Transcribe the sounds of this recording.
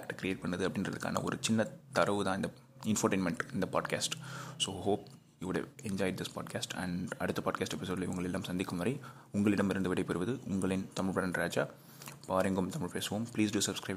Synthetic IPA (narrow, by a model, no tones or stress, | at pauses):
kʈːkɪɾɪeːʈ̚pɐɳːɐðɯɐpːɐɽɪnrɐðɯkːa̰ːnɐ̰ɔ̰ɾɯt͡ʃɪnːɐt̪ɐɾɐʋɯt̪ãːɪnd̪ɐ | ɪnfoːʈeːnmɛɳʈɪnd̪ɐpa̰ːɖkaːsʈsoːɦoːp̚ | juːʋʊɽ̰ɛɲd͡ʒɔːjɖ̚d̪ɪspa̰ːɖkaːsʈɐ̰̃ɳɐɽɯt̪ːɐpaːɖkaːsʈɛpɪsoːɖlɐʊŋɡɐɭɛlːaːmsɐnd̪ɪkːɯmʋɐɾɐɪ | ʊŋɡɐɭɪɽɐmɪɾɯnd̪ɯʋɪɽɐɪpːɛɾɯʋɐðɯʊŋɡɐɭɪnt̪ɐmɪɭpɐɾɐnɖɾaːd͡ʒaː | paːɾɐŋɡɯmt̪ɐmɪɭpeːsʋõːmpliːsɖuːsɐbskɾɐɪ